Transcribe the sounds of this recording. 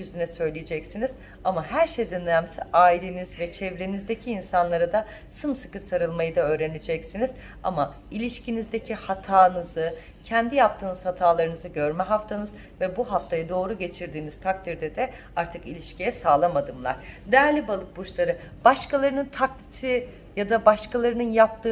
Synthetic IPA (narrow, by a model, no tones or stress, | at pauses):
jyzynɛsø̞jlʲijed͡ʒɛcsiniz̥ | amahæɾʃejd̪ønːʲæmsɛʔaːilʲenizvɛt͡ʃʰɛvɾenizd̪ecʰiːnsanlˠaɾad̪a | sɯmsɯ̥kɯsaɾɯlˠmajɯd̪aø̞ːɾe̞ned͡ʒɛcsiniz | a̰ma | ilʲiʃcʰinizd̪ecʰihat̪ʰaːnɯzɯ | cʰɛnd̪ijap̚t̪ʰɯːnɯz̥hat̪ʰaːlˠaɾɯnɯzɯɟø̞ɾmɛɦaft̪ʰanɯz | vɛbuɦaft̪ʰajɯd̪o̞ːɾuɟe̞t͡ʃʰiɾd̪iːniz̥t̪ʰak̚t̪ʰiɾd̪ɛd̪ɛ | aɾt̪ʰɯkilʲiʃcʰijɛsaːlˠamad̪ɯmlˠa̰ɾ̥d̪ɛjæɾlʲibalˠɯk̚but͡ʃlˠaɾɯ | b̥aʃkalˠaɾɯnɯnt̪ʰaklʲit̪ʰi | jad̪abaʃkʰalˠaɾɯnɯnjap̚t̪ʰɯː